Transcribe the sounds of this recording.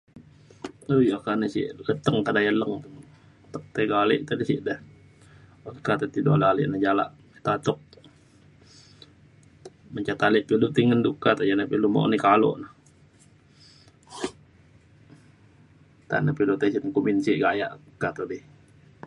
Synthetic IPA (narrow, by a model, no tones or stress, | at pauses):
ojokanəsḭʔlət̪əŋt̪adajələŋt̪ŋ | t̪ək̚t̪eɡalɛ̰ʔt̪adisiʔdəh | okat̪at̪idolalḭʔnad͡ʒala̰ʔmit̪at̪ɔk̚ | məɲt͡ʃat̪aliʔpilut̪iŋəndukat̪ad͡ʒanapilumo̰ʔnikalo̰ʔnah | t̪a̰napilut̪esinkuminsiʔɡaja̰ʔkat̪ədi